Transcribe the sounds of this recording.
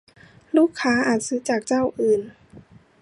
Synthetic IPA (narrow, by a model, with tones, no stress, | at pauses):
luː˥˩kʰːaː˦˥ʔaː˨˩t̪̚sɯ˧˦˥t͡ɕaː˨˩k̚t͡ɕa˥˩wʔɯː˨˩n